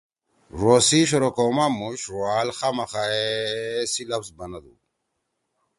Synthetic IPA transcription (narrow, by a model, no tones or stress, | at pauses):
ɾosiɕoɾokomamuɕɾwaːlxamaxaesilɐpsbɐnad̪ṵ